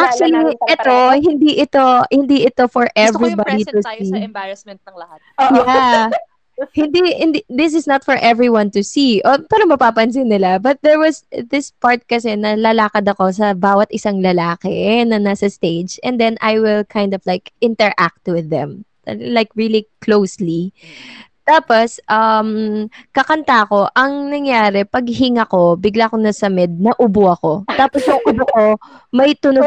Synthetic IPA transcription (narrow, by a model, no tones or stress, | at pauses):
ʔak̚t͡ʃuwɐliʔɛt̪oɦɪnd̪iʔɪt̪ohɪnd̪iʔɪt̪ofɔɹʔɛvɹibad̪it̪usibamɛnt̪̚ɐŋlɐha | ja | hɪ̃nd̪ihɪnd̪id̪ɪs̬ɪsnɐt̪fɔɹʔɛvɹiwɐ̃nt̪ʊsiʔopaːɾɐŋmɐpapɐns̬ɪnːɪlabɐt̪̚d̪ɛɹwɐsd̪ɪspaɹt̪̚kɐsɛnɐlɐlaːkɐd̪ɐko̞s̬ɐbaːwɐt̪̚ʔɪsaŋlɐlaːkɛnɐnasɐst̪ejd͡ʒɛnd̪ɛnʔajwɪlkʰajnd̪ɔvlajkʔɪ̃nt̪ɛɹʔak̚t̪̚wɪðɛ̰̃m | lajkɹiliklowsli | t̪aːpo̞sʔɐmkɐkɐnt̪aɐko̞ʔɐŋnɐŋjaːɾɛpɐɡ̚ɦɪŋɐko̞bɪɡlakonɐsɐmɛd̪̚nɐʔʊboɐko̞t̪aːposjʊŋʔʊboko̞mɐjt̪ʊno